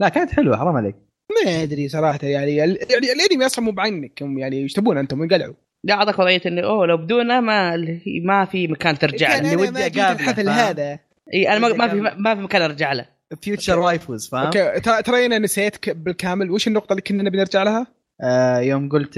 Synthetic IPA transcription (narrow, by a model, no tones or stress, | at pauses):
laʔkaːnat̪ħɪlwa̰ħɾˤɑːmalḛk̚ | maʔɪd̪ɾisˤɑɾˤɑːħat̪ajaʕniɪlaʕnilʔɪd̪imjɑsˤʕʊmubʕanːakʊmjaʕnijɪʃt̪abuːnʕant̪ʊmwjɡalʕu | liʔɑʕðˤɑkwɑðˤɑjːat̪ʔɪnːiʔoːlawbɪd̪uːnamalhḭmafimakaːnt̪ɪɾd͡ʒaʕaʔlːiwɪdjaɡaːlħaθlːɦaːða | ʔiːʔanamamaimafimakaːnʔɑɾˤd͡ʒaʕla̰ | fjuːt͡ʃɑɾˤwaːjfuzfaokːet̪ɾɑt̪ɾˤɑjːɪnanɪsajeːt̪ḁkbɪlkaːmɪlweːʃɪnːʊq̚t̪ˤɑliːkʊnːnːabnɪɾd͡ʒaʕlaha | joːmɡʊlt̪